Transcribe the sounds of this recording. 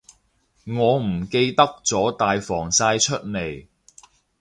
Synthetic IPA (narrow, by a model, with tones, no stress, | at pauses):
ŋɔː˨˧m̩˨˩ke˧jt̪ɐ˥k̚t͡sɔː˨˥t̪aː˨jfɔː˨˩ŋsaː˧jt͡ʃʰɵ˥t̚ne˨˩j